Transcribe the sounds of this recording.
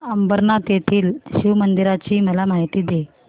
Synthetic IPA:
əmbəɾnat̪jet̪ʰiːlɕiʋmənd̪iɾat͡ɕiːməlamaɦit̪iːd̪e

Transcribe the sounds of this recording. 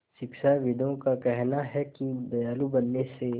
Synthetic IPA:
ʃɪkʃaʋɪd̪ʱõkakɛɦnaɦɛkid̪ɐjaːlubɐnːese

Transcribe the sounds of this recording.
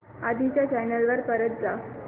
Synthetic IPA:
ad̪ʱit͡ɕjat͡ɕajnəlʋəɾpəɾət̪̚d͡za

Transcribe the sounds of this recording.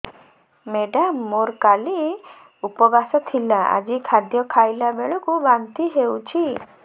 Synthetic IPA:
meɖamːoɾkali | upɔbasɔt̪ʰilaʔa̰d͡ʒikʰad̪jɔkʰajlabeɭɔkubant̪iɦewt͡ʃʰi

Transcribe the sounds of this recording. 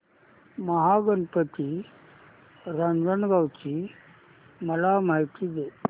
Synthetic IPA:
məɦaɡənpət̪i | ɾand͡zəɳɡawt͡ɕi | məlamaɦit̪iːd̪e

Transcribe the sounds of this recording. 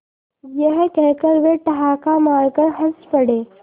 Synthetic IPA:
jəɦkɛɦkəɾʋeʈɐɦaːkamaːɾkəɾɦɐspɐɽeː

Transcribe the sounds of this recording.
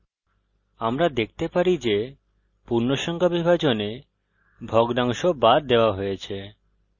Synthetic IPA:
amɾad̪ek̚ʰt̪epaɾid͡ʑe | puɾnoʃɔŋkʰabibʱat͡ɕone | bʱɔɡd̪aŋʃobad̪̚d̪ːeoaɦojet͡ɕʰe

